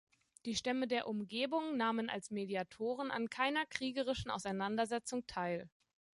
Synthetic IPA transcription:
d̥iːʃtɛmədeːɐʔʊmɡeːbʊŋnaːməna̰lsmediatʰoːʁ̞əna̰nkʰaɪnɐkʁ̥iːɡəʁ̞ɪʃn̩ʔa̰ʊsaɪnandɐzɛt͡sʊŋtʰaɪl

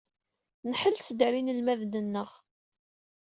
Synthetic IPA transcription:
nħəlsd̪ɾinəlmæðd̪ənːəʁ

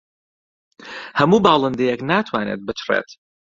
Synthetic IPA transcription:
hɐmuːbaːlˠɨnd̪ejɛknaːt̪ʰwaːneːt̪̚bɨt͡ʃʰrḛt̪

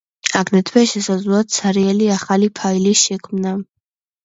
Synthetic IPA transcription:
aɡd̪ɛt̪ʰwɛʃɛsazlat̪sʰaɾiɛliaχalipʰailiʃɛkʰmna

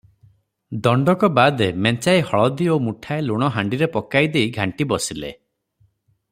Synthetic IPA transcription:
d̪ɔɳɖɔkɔbad̪ement͡ʃajhɔɭɔd̪iomuʈʰaeluɽ̃ɔɦaɳɖiɾepɔkajd̪eiɡʱaɳʈibɔsilḛ

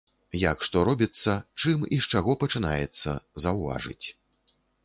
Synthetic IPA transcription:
jakʂt̪ɔɾɔbʲit̪sːɐt͡ʂɨmiʂt͡ʂaɣɔpɐt͡ʂɨna̰jɛ̰t̪sːɐ̰zɐwva̰ʐɨ̰t͡sʲ

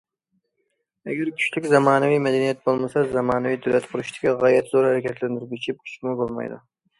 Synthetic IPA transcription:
ɛɡʲæɾkʲʰy̥t͡ʃlykʲzɑmɑːnɨvijmɛd̪ɛnijɛt̪̚bolˠmɨsɑzɑmɑːnɨvijd̪ʊlɛt̪qʰʊɾɪʃt̪ʰɪ̥kʲiʁɑjɛt̪zoɾhæɾɛkʲʰɛt̪lænd̪ɪɾbʲit͡ʃʰɪp̚kʲʰy̥t͡ʃmubolˠmɑ̰jd̪ṵ

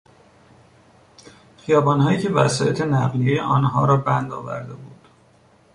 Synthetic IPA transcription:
xijɒːbɒːnɦɒːjiːcʰe̞væ̰sɒːjet̪ʰenæɣliejeʔɒːnɦɒːɾɒːbænd̪ɒ̰ːvæ̰ɾd̪e̞buːd̪̥

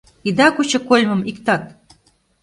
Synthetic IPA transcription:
id̪ɑkut͡ɕɤ̆kolʲmɤ̆mikt̪ɑt̪̚

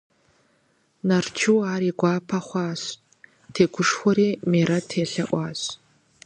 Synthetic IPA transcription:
nɐrt͡ʃʰɨwaːriːɡʷaːpʰɐχʷɑːɕ | tʰeːɡʷʊʂxʷɔɾiːmeːɾɐtʰeːɬɐʔʷɑːɕ

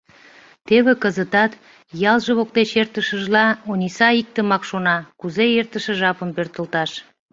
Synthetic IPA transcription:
t̪eβĕkəzət̪ɑt̪ | jɑlˠʒə̆βok̚t̪et͡ɕert̪əʃəʒlɑonʲisɑik̚t̪ə̆mɑkʃonɑkuzeert̪əʃə̆ʒɑpəmpørt̪əlt̪ɑʃ

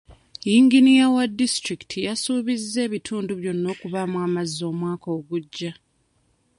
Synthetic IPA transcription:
jiŋɡinijawadːistɾiki̥tʰijasuːβizːe̞ːβitʰuːnduβjo̞nːo̞ːkuβamwaːmazːo̞ːmwaːko̞ːɡuɟːa

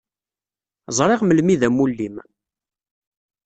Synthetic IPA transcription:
zˤɾˤeʁməlmiðæmulːim

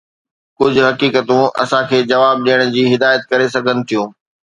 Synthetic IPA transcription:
kʊd͡ʑʱʊ̆ɦɐkiːkət̪ũʔɐ̰sãkʰeːd͡ʑɐʋaːb̚ɗijəɽ̃ʊ̆d͡ʑiːɦɪd̪aːjət̪̚kɐɾes̬ɐɡʱənɪ̆t̪ʰijũː

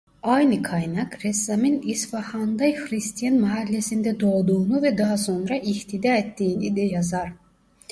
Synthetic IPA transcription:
ɑjnɯkʰɑjnɑkɾɛsaminisfɑhɑnd̪ɑjxɾist̪ʰijanmaɦælʲːesind̪ɛd̪o̞ːd̪uːnuvɛd̪ɑɦɑso̞nɾɑʔiht̪ʰid̪aet̪ːiːnid̪ɛjɑzɑɾ

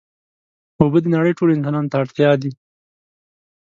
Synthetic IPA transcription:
obəd̪ənaɽəjʈʰolɪnsɑnɑnot̪aːɽt̪jɑd̪i

